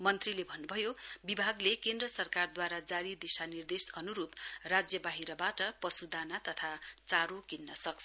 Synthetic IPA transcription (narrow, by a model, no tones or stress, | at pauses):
mʌnt̪rilebʱʌnːubʱʌjobibʱaɡlekend̪rʌsʌrkard̪waɾad͡zaɾid̪isanird̪esʌnuɾuprad͡zjʌbaɦiɾʌbaʈʌpʌsud̪anat̪ʌt̪ʰat͡saɾokinːʌsʌkt͡sʰʌ